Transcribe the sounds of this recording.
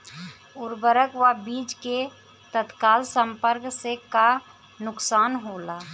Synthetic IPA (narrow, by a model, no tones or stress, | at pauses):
ʊɾbəɾəkʋabiːd͡ʒke | t̪ət̪kaːlsə̃mpəɾkseka | nʊksaːnɦoːlaː